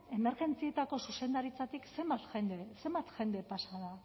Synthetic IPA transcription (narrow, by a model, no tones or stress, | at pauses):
e̞me̞ɾɣe̞nt͡sie̞t̪ako̞suse̞nd̪aɾit͡sat̪ikse̞mbat̪xend̪ese̞mbat̪ʝe̞nd̪e̞pasaða